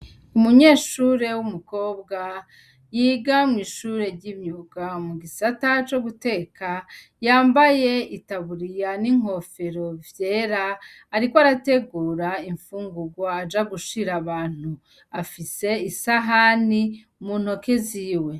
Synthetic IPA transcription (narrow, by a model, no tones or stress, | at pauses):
umuɲe̞ːʃuɾe̞wumuko̞ːbɡa | jiːɡamŋiʃuːɾe̞ɾɟimɲuɡamuɡisatat͡ʃo̞ɡute̞ka | jaːmbaje̞itaβuɾijaniŋ̥ho̞fe̞ɾo̞vje̞ːɾaː | ɾikoaɾate̞ɡuːɾaiɱfuːŋɡuɡwaːd͡ʒaɡuʃiɾaβaːn̥u | afise̞isaɦani | mun̥o̞keziːwe̞